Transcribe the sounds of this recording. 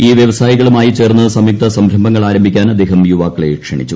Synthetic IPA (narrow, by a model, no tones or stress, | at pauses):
iːʋjeʋɐsaːjiɣɐɭumaːjit͡ɕe̞ːrnːɨsɐmjik̚t̪ɐsɐmbʱɾɐmbʱɐŋːɐɭaːɾɐmbʱikʲːaːnɐd̪eːɦɐmjuʋaːkːɐɭḛkʂɐɳḭt͡ɕːu